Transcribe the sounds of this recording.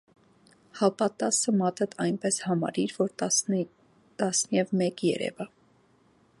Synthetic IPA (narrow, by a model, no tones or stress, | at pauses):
hɑpɑt̪ɑsəmɑt̪ʰət̪ʰɑjnpɛshɑmɑ̰ɾiɾvɔɾ | t̪ɑsnjɛvmɛkjɛ̰ɾɛ̰və